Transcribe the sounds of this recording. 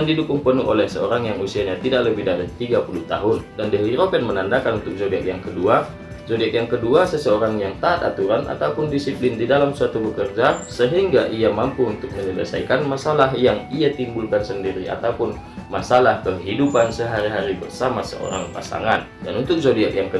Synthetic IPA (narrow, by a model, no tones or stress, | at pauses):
andidukʊŋpənʊɦolɛhsəoɾaŋjaŋusiaɲat̪idaʔ̚ləbɪhdaɾit̪iɡapuluht̪a̰ɦʊndandəɾiɾopɛnmənandakanunt̪ʊk̚sodiakjaŋkədua | zodiakjaŋkəduasəsəoɾaŋjaŋt̪aːt̪̚a̰t̪uɾanʔa̰t̪aupʊndisiplɪndidalamsuat̪ubəkərd͡ʒasəɦiŋɡaʔiamampuunt̪ʊk̚məɲələ̰sa̰jkanmasalaɦjaŋiat̪imbulkansəndiɾia̰t̪aupʊn | masalahkəɦidupansəɦaɾiɦaɾibərsamasə̰ʔo̰ɾa̰ŋpa̰sa̰ŋandanunt̪ʊk̚sodiakjaŋkə